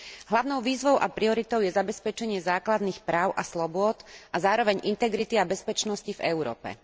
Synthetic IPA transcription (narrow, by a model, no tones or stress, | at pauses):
ɦlaʊnɔʊʋiːzʋɔʊʔapɾiɔɾit̪ɔʊjɛzabɛspɛt͡ʃɛɲɪɛzaːklad̪nixpɾaːʊʔaslɔbʊɔt̪ʔazaːɾɔʋɛɲʔint̪ɛɡɾit̪iabɛspɛt͡ʃnɔscivɛ̰ʊɾɔ̰ːpɛ̰